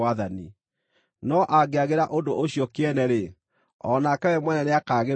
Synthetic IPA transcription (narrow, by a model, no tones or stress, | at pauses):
aðani | nɔʔaɡeaɣeɾaʔodoʔoɕijɔkeɛnɛɾe | ɔnakɛwɛmwɛnɛneakaːɣe